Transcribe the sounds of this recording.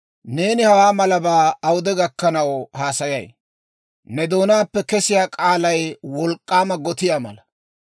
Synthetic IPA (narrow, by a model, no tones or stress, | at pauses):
ne̞ːnɪhɐwaːmɐlɐbaːɐwʊd̪ɛɡɐkːɐnɐwhaːsɐjɐ̰j | nɛd̪o̞ːnaːpːɛkɛsɪjaːkʼaːlɐjwɔlkʼːaːmɐɡɔt̪ɪjaːmɐ̰lɐ